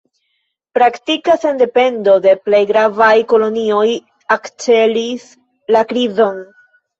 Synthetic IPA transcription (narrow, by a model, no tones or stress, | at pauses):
pɾaktikasende̞pe̞ndo̞de̞ple̞jɡɾavajko̞lo̞nio̞j | akt͡ʃe̞lis | lakɾizo̞n